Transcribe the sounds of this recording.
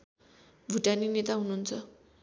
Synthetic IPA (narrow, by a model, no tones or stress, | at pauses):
bʱuʈaninet̪aɦununt͡sʰʌ